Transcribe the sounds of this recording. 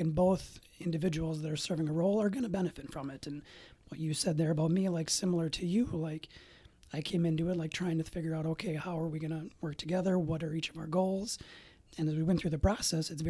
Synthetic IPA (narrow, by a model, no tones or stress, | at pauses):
ɨ̃nboʊθ | ɪ̃ndɨvɪd͡ʒəwl̩ˠzðɨɾə˞sɜ˞vɪ̃ŋəɹoʊlˠə˞ɡʌñɨbɛnɨfɨtfɹʌ̃mɪtɨ̃nwʌt͡ʃɨsɛd̪̚ðə˞ɨbaʊt̚milaɪksɪ̃ml̩ˠə˞ɾʰɨjɨlaɪk | aɪkʰẽɪ̃mɪ̃ntuɪtˡlaɪk̚tʰɹ̥aɪɪ̃ŋtʰɨfɪɡjə˞aʊɾoʊkʰeɪhaʊə˞wiɡʌñəwɜ˞k̚tʰɨɡɛðə˞wʌɾə˞it͡ʃʌvaʊə˞ɡoʊlˠz̥ | ɨ̃nɨzwiwɛ̃nθɹʉðɨpʰɹ̥ɑsɛsɨtsvɛ